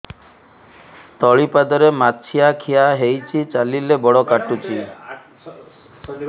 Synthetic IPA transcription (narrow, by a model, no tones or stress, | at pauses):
t̪ɔɭipad̪ɔɾemat͡ʃʰiakʰiaɦejt͡ʃʰit͡ʃalilebɔɽɔkaʈut͡ʃʰi